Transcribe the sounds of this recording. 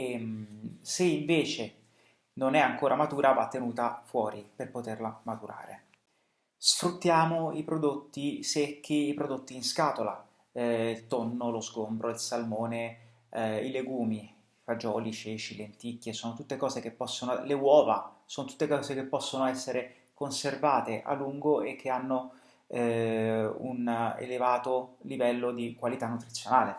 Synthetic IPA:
emseiɱveːt͡ʃe | nonɛaŋkoːɾʔamat̪uːɾʔavat̪ːenuːt̪afwɔːɾiperpot̪erlamat̪uɾa̰ːɾḛ | sfɾut̪ːjaːmoipɾod̪ot̪ːisekʰːiːpɾod̪ot̪ːiːnskaːt̪ola | ilt̪onːolozɡombɾʔoilsalmoːne | ileɡuːmi | ifad͡ʒɔːlit͡ʃet͡ʃilent̪ikːjesoːnot̪ut̪ːekɔːzek̟epːɔsːonolewɔːvasoːnot̪u̥t̪ːekɔːzekepːɔsːonoɛsːeɾe | konservaːt̪eʔa̰lːuŋɡoʔekʰːeanːo | ṵnḛlevaːt̪olivɛlːod̪ikwalit̪anːut̪ɾit̪sːjonaːle

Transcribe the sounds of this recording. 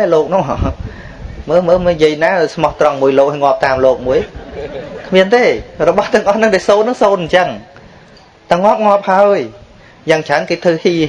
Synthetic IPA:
aloːk̚nʊŋ | məːməːmɨnjiəjnaːsmɑht̪rɑŋmuəjloːk̚hajŋŏəp̚t̪aːmloːk̚muəj | kʰmiənt̪eːrɔɓɑht̪ɛ̆əŋʔɑhnɨŋɗasoːnːɨŋsoːnɲt͡ɕəŋ | t̪aŋŏəp̚ŋŏəp̚haəj | jaːŋt͡ɕaənkeːt̪ʰɨhiː

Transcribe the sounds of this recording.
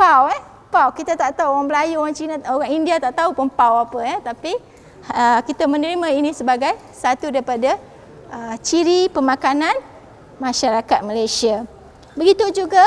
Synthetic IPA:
pawɛ | pawkit̪at̪aʔt̪auɣaŋbəlajuoɣaŋt͡ʃinaoɣaŋindiat̪aʔt̪aupəmpawapəjat̪api | əkit̪amə̃nəɾimãinĩsəbaɡaj | sat̪udaipada | ət͡ʃiɾipəmãkanãn | mãʃaɾakat̪̚məlajsia | bəɡit̪ud͡ʒuɡa

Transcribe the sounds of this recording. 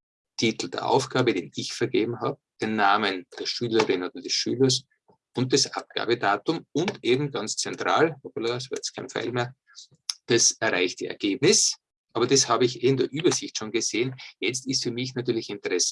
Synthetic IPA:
tʰiːtl̩d̥ḛːɐʔa̰ʊfɡ̥aːbədeːnɪçfɛɐɡeːbm̩ɦaːbəd̥eːnːaːmənd̥eːɐʃyːləʁɪnoːdɐd̥ɛsʃyːlɐs | ʊnt̚d̥asʔa̰p̚ɡ̥a̰ːbədaːtʊmʊntʔeːbm̩ɡant͡st͡sɛntʁ̥a̰ːloplasvaːɐjɛt͡skʰaɪnfa̰ɪlmeːɐ | d̥asɛɐʁaɪçt̚d̥ḭɛ̰ɐɡ̥eːbnɪs | ʔaːbɐd̥ashaːbəɪçʔeːndeːɐʔyːbɐzɪçtʃoːnɡəz̥eːənjɛt͡stɪstfyːɐmɪçnatyːɐlɪçɪntəʁɛs

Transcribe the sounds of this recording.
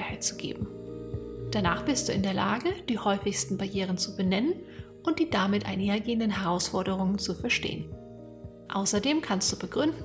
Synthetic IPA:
haɪt̚t͡suɡ̥ḛːbm̩ | d̥anaːχb̥ɪstd̥uːʔɪndeːɐlaːɡəd̥iːhɔʏfɪçstn̩baɐjeːʁ̞ənt͡subənɛnən | ʔʊnt̚d̥iːdamɪtʔa̰ɪneːɐɡeːəndənɦɛʁ̞aʊsfɔɐɾəʁ̞ʊŋənt͡sufɛɐʃtḛːən | ʔa̰ʊsɐdeːmkʰanst̚d̥uːb̥əɡʁʏndn̩

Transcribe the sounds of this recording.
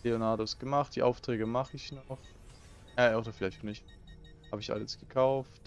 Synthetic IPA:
eonaɐdosɡ̥əmaχt̚d̥iːʔaʊftʁ̥ɛːɡəmaχəɪçnɔχ | adɐfɪlaɪçtnɪçt | ha̰ːbəɪçʔa̰ləsɡ̥əkʰaʊft

